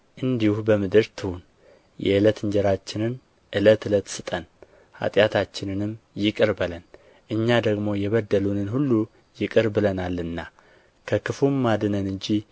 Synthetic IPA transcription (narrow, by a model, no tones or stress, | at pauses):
ʔɨnd̪ihubəmɨd̪ɨɾt̪ʰɨhun | jɛ̰ɨlət̪ɨɲd͡ʒɛɾat͡ʃːɪnɨn | ʔɨlət̪ɨlət̪sɨt̪ʼən | ha̰t̪ʼjat̪ʰat͡ʃːɪnɨnɨmjɪkʼɨɾbələn | ʔɨɲːad̪əɡmo̞jɛβəd̪ːəlunɨnhulːu | jɪkʼɨɾbɨlənalːɨnːa | kʰəkʰɨfumːad̪ɨnənɨɲd͡ʒi